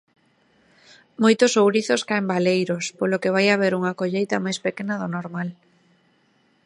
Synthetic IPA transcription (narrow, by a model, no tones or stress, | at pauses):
mojt̪ʊsowɾiθoskaembalejɾospolokeβ̞ajaβ̞eɾuŋakoʎejt̪ɐmajspekenɐðonoɾmal